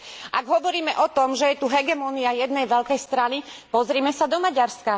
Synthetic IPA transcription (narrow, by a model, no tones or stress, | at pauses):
ʔaɡɦɔʋɔɾiːmɛʔɔt̪ɔmʒɛjɛt̪uɦɛɡɛmɔniajɛd̪nɛjʋɛʎlkɛjst̪ɾanipɔzɾiːmɛsad̪ɔmaɟaɾska